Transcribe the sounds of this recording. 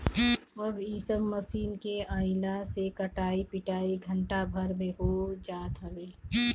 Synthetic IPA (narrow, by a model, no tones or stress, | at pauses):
əbiːsəmːəsiːnkeəɪlasekəʈaːipɪʈaːiɡʱəɳʈabʱɐɾmẽɦod͡ʒaːt̪əleː